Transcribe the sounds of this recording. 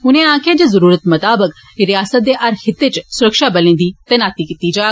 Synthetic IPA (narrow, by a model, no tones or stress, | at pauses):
ʊnẽːãːkʰẽd͡ʒezəɾuːɾət̪mɐt̪aːbək | ɾɪjaːsət̪̚d̪eːʔɐɾhɪt̪ːeːt͡ʃsʊɾəkʃaːbəlẽːnd̪iːt̪enaːt̪ikit̪iːd͡ʒaː